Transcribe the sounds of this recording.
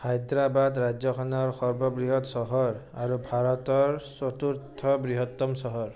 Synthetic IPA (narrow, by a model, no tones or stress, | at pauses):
hajd̪ɾabad̪ɾad͡ʒɔkʰɔnɔɹxɔɹbɔbɹiɦɔt̪sɔɦɔɹaɹubʱaɹɔt̪ɔɹsot̪uɾt̪ʰɔbɹiɦɔt̪ːɔmsɔɦɔɹ